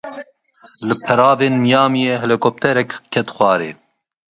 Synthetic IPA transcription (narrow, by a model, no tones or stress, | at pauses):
lɨpʰɛɾɑːveːnmijɑːmijeɦɛlekʰop̚t̪ɛɾɛkkʰːɛt̪xwɑːɾḛː